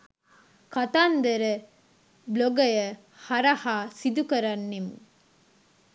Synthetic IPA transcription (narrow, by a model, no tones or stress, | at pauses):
kɐt̪aːnd̪ɐɾɐ | bloɡɐjɐ | hɐɾɐhaːsid̪ukɐɾɐnːim